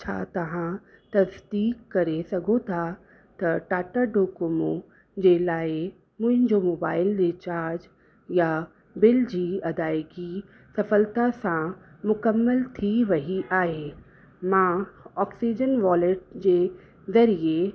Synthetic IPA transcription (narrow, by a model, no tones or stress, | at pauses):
t͡ɕʰa̰t̪ɐʋ̤ã | t̪ɐsd̪iːkːɐɾesɐɡʱot̪ʰa | t̪ɐʈaːʈaɖoːkʊmo | d͡ʑelaːɪ | mʊ̃ɦɪ̃ɲd͡ʑomoːbaːɪlɾɪt͡ɕaːɾd͡ʑ | ja | bɪld͡ʑiːɐd̪aːɪɡi | sɐfəlt̪asã | mʊkəmːəlt̪ʰiʋɐɦiʔaːɦeː | mãɔːksid͡ʑənʋɔːleʈ̚d͡ʑeː | zɐɾie